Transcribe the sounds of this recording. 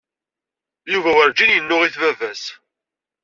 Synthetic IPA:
juvæwəɾd͡ʒinjənːʊʁiθvævæs

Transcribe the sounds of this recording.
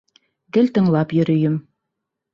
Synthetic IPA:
ɡɘ̆lt̪ɤ̆ɴlˠɑpjɵ̆ɾɵ̆jɘm

